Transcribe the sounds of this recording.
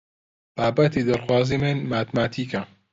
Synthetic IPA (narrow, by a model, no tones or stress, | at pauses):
b̥aːbɐt̪id̪ɐɾxwaːziːmɨnmaːt̪maːt̪ʰiːkɐ